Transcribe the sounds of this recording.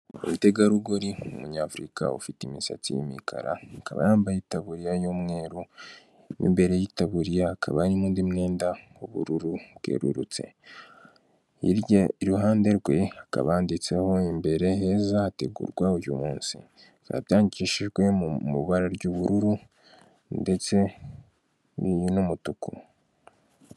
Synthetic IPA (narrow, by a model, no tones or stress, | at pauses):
umute̞ɡaɾuɡoɾiumuɲaːfɾika̰ṵfitimisa̰t͡sḭjḭmḭkʰa̰ɾa̰ːkaβa̰jaːmbajitaβuɾijajomŋe̞ːɾu | nḭmbe̞ɾe̞jitaβuɾijaːkʰa̰βaɾimuːndimne̞ːnda | uβṵɾuɾuɡ̥ḛɾṵɾṵt͡se̞̰ | iiɾuɦaːnde̞ɾɡwe̞aka̰βaːndit͡se̞ho̞imbe̞ɾe̞he̞ːzaːte̞̰ɡṵɾɡwauɾjṵmuːnsḭ | ka̰jaːɲɡikciʃiʒɡwe̞mṵβaɾaɾɟuːβuɾuɾu | nde̞t͡se̞ | ijnomutuku